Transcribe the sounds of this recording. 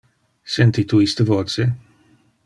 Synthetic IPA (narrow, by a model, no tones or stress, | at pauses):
sɛnt̪it̪uist̪əvoːt̪se